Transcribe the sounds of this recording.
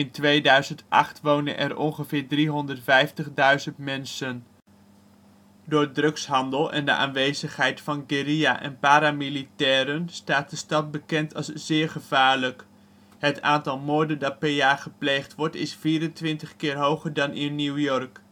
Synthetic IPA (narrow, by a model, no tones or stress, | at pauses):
ɪntʋejdœɥzəntʔɑ̰χtʋownə̰nʔɛ̰rʔɔ̰nχəvɪːɹdriɦɔndətfɛjftəχdœɥzəntmɛnsən | dʊːɹədrɵksɦɑndəlˠɛ̰ndə̰ʔa̰ːnʋejzəχɦɛjtfɑnɡɪɾia̰ʔɛ̰npaːɾamilitɛːɾənstaːt̚dəstɑt̚bəkɛntɑlˠszɪːɹχəv̥aːɹlək | ɦətaːntɑlˠmʊːɹdəndɑt̚pɛɹjaːχəplejχtʋɔɹtɪsfiːɾəntʋɪntəχkɪːɹɦowχəɹdɑnɪnːuwjɔɹk